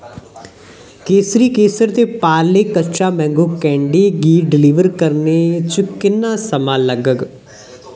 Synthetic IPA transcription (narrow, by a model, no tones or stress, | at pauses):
keːsɾikeːsəɾt̪epaːɾlekɐt͡ʃamɛ̃ːŋɡokɛ̃ːɳɖeɡiːɖɪliːʋəɾkɐɾnet͡ʃʊkɪnːasɐmalɐɡəɡ